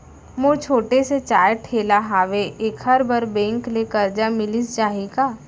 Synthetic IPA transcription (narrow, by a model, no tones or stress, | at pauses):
moːt͡ʃʰoːʈeset͡ʃaːjʈʰeːlaɦaːʋeʔeːkɦɐɾbəɾbɛ̃ːŋklekɐɾd͡ʒamɪlisd͡ʒaːɦiɡaː